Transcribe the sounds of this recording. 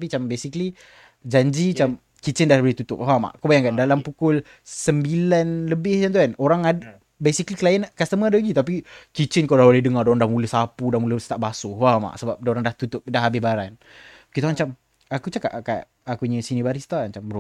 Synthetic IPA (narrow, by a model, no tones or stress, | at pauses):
pit͡ʃambesikli | d͡ʒaɲd͡ʒit͡ʃam | kit͡ʃɪndahbəlit̪ut̪ʊ̰p̚ɦama̰ʔkawbajaŋkandalampukʊl | səmbilanləbɪhant̪ukanoɾaŋa | besikliklajənkast̪əmə̃adalaɡit̪ap̬ikit͡ʃɪnkawdaholɛhdəŋadoɾaŋdahmuləhsapudahmuləsə̥t̪aʔbasuwama̰ʔsəbap̚doɾaŋdaht̪ut̪ʊp̚daɦabɪsbaɾan | kit̪aãt͡ʃam | akut͡ʃaka̰ʔka̰ʔ | akuɲəsinibaɾist̪aʔat͡ʃambəɾu